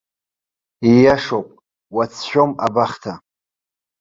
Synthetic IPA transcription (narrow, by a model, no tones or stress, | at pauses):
ijaʂowpʼ | wat͡sʰʃᶣomabaχtʰa